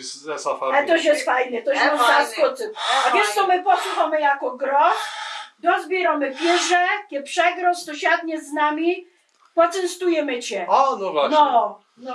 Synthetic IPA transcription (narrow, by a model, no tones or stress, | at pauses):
aɛt̪ɔɕjɛst̪fajnɛt̪ɔɕmɔzaskɔt̪sɛavʲjɛʂt̪sɔmɘpɔsuxamɘjakɔɡɾɔsd̪ɔzbʲjɛɾɔmɘpʲjɛʐɛkʲɛpʂɛɡɾɔst̪ɔɕad̪̚ɲɛznamʲi | pɔt̪sɛnst̪ujɛmɘt͡ɕɛnɔanɔ